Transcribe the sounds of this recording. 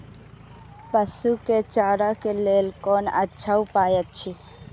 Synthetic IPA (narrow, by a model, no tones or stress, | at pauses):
pəsuket͡ʃaːɾakeleːlkoːnətːʃʰaupaːjət̪̚t͡ʃʰi